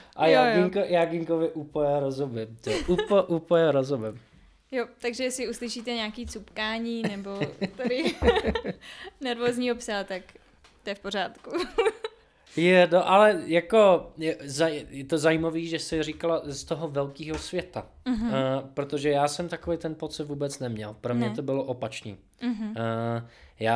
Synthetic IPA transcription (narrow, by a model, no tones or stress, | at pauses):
ʔajaɡɪŋkojaːɡɪŋkovɪʔupojɛɾozobɪmt̪ɛʔupʔupojɛɾozobɪm | jot̪aɡʒɛjɛsɪuslɪʃiːt̪ɛɲaːkiːt͡supkaːɲiːnɛbo̞t̪ɛɾɪ | nɛɾvoːzɲiːɦopsat̪ak | t̪ojɛfpoɾaːt̪ku | jɛnoʔalɛjako̞zajɛt̪ozajimaviːʒɛsɛriːkalast̪oɦovɛlkiːɦosvjɛt̪a | ɦpɾot̪oʒɛjaːsɛmt̪akovejt̪ɛnpot͡sɪt̪vuːbɛt͡snɛmɲɛ̰lpɾomɲɛt̪o̞bɪloʔopat͡ʃnḭː | ɦ̩ | jaː